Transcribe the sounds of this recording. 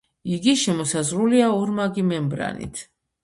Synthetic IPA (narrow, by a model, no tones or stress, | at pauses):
iɡiʃɛmɔsazɾuliaɔɾmaɡimɛmbɾa̰nḭt̪ʰ